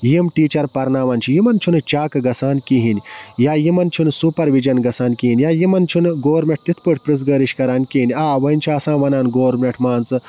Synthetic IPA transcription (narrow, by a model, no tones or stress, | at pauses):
jimʈiːt͡ʃɐɾpɐɾnaːʋɐːnt͡ʃʰijimɐnt͡ʃʰunɨt͡ʃaːkɨɡɐsaːnkiɦinʲ | jaːjimɐnt͡ʃʰunsuːpɐɾʋid͡ʒɐnɡɐsaːnkiinʲjaːjimɐnt͡ʃʰunɨɡoːɾmʲeʈ̚t̪it̪ʰpɨʈʰʲpɾɨs̬ɡɐːɾiʃkɐɾaːnʲkiːnʲaːʋɐint͡ʃʰiasãːʋɐnaːnɡoːɾmʲeʈʰmaːnt͡sɨ